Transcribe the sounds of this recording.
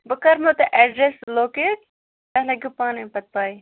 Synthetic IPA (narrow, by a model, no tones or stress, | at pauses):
bəkɐɾmɐt̪ɐʔɛːɖɾesloːkeːʈ̪̚ | ɐlɐɡupaːnepɐt̪̚paːi